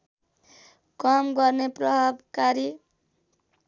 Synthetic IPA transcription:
kʌmɡʌrneprʌɦbkaɾi

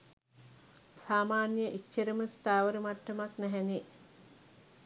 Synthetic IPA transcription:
saːmaːnjəʔit͡ʃːəɾəməst̪aːʋəɾəmaʈːɐmaknæɦæne

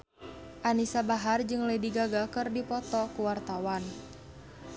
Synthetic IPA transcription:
ʔanisabaɦard͡ʒɨŋləjdiɡaɡakɨrdipɔt̪ɔkuwart̪awan

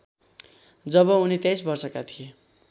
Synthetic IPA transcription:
d͡zʌbʌunit̪jajsbʌrsʌkat̪ʰije

